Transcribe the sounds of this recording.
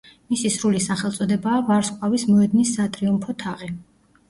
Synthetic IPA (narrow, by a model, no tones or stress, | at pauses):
misisɾulisaχɛlˠt̪sʼɔd̪ɛbaːvaɾskʼwavismɔɛd̪nisːat̪ʼɾiumpʰɔt̪ʰaʁi